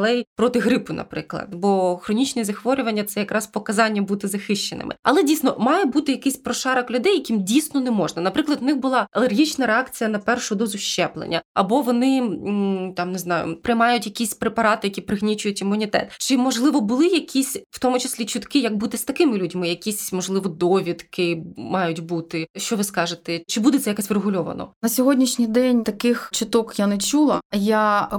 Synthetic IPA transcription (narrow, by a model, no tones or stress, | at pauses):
lˠɛjpɾɔt̪ɪɦɾɪpʊnɐ̰pɾɪklˠɐ̰d̪bɔxɾɔnʲit͡ʃnɛzɐxʋɔɾʲʊʋɐnʲːɐt̪sɛjɐkɾɑspɔkɐzɑnʲːɐbut̪ɪzɐxɪʃt͡ʃenɪ̰mɪ̰ɐ̰lˠɛdʲijsnɔmɑjɛbut̪ɪjɐkɪsʲpɾɔʃɑɾɐklʲʊd̪ɛjɐkʲimdʲijsnɔnɛmɔʒnɐnɐpɾɪklˠɐd̪ʊnɪxbʊlˠɑɐlˠerɦʲit͡ʃnɐɾeɑkt͡sʲijɐnɐpɛrʃʊd̪ɔzʊʃt͡ʃɛplˠḛnʲːɐ̰ɐbɔʋɔnɪ | t̪ɑmnɪznɑjʊ̰pɾɪjmɑjʊtʲjɐkʲisʲpɾepɐɾɑt̪ɪjɐkʲipɾɪɣnʲit͡ʃʲʊjʊtʲɪmːʊnʲit̪ɛ̰t̪t͡ʃɪmɔʒlˠɪʋɔbʊlˠɪjɐkʲisʲw̥t̪ɔmʊt͡ʃɪsʲlʲit͡ʃʊt̪kɪjɐɡ̚but̪ɪst̪ɐkɪmɪlʲudʲɐmɪjɐkʲisʲmɔʒlˠɪʋɔd̪ɔʋʲit̪kʰɪmɑjʊtʲbut̪ɪʃt͡ʃɔʋɪskɑʒet̪ɛt͡ʃɪbud̪ɛt̪sɛjɐkɛsʲʋɾeɦʊlʲɔʋɐ̰nɔ̰nɐsʲɔɦɔdʲnʲiʃnʲijd̪ɛnʲt̪ɐkɪxt͡ʃɪt̪ɔkjanet͡ʃulˠɐja